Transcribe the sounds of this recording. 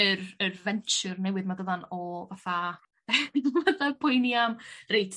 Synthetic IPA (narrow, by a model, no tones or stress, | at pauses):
ərərvɛnt͡ʃʊrnɛwɨðmadəðanɔvaθa | ðvatapʰʊjniamrejtʰ